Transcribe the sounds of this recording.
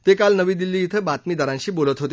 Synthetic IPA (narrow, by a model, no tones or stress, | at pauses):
t̪ekalnəʋiːd̪ilːiːt̪ʰəbat̪miːd̪əɾãɲɕiːbolət̪ɦot̪